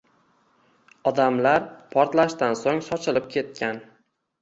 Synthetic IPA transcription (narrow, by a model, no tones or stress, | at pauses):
ɒd̪amlaɾpʰɒɾt̪laʃt̪ansoŋsɒt͡ʃʰɪlɪp̚kʲʰe̞t̪̚kʲan